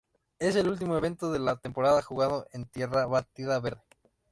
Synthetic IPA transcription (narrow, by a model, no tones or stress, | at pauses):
e̞s̬e̞lult̪̬imo̞e̞β̞e̞nt̪oðe̞lat̪e̞mpo̞ɾaðaxuɣaðoʔe̞nt̪je̞raβat̪iðaβe̞ɾðe